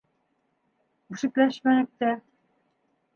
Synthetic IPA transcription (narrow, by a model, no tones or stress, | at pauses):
uʃɘ̆klæʃmænɘ̆k̚t̪æ